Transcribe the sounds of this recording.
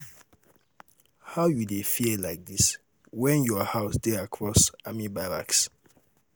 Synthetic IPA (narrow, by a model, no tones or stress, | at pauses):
haʊjudefiəlaɪk̚dis | wɛ̃njɔhaʊsdeakʰɹɔsamibala̰ks